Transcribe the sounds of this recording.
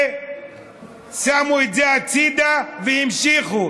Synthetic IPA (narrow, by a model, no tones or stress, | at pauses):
samuid͡zɛatʰid̪avɛjimʃixu